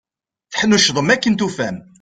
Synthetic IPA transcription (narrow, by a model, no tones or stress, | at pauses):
θħənːuʃðˤəmækːənt̪ufæm